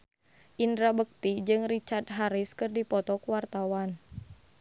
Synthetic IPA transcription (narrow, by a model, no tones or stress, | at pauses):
ʔindɾabək̚t̪id͡ʒɨŋrit͡ʃart̪̚ɦaɾiskɨrdipɔt̪ɔkəwart̪awan